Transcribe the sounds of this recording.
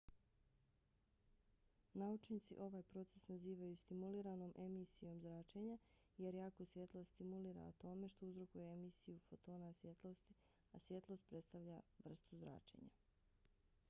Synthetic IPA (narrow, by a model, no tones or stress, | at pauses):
naut͡ʃnit̪sḭʔo̞ʋaːjpɾo̞t̪se̞snaziːʋajust̪imuliːɾano̞ːmʔe̞misijo̞mzɾaːt͡ʃe̞ɲaje̞ɾjaːkosʋje̞t̪lˠo̞st̪imuliːɾa̰ot̪o̞me̞ʃt̪o̞uzɾo̞kujeemisijufot̪o̞ːnasʋje̞t̪lˠo̞st̪i | asʋje̞t̪lˠo̞st̪̚pɾet̪st̪aʋʎaʋr̩st̪uzɾa̰ːt͡ʃe̞̰ɲa̰